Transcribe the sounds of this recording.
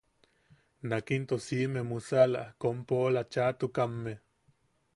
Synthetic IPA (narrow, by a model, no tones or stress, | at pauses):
nakint̪osimemusala̰kompoːlat͡ʃat̪ukamːe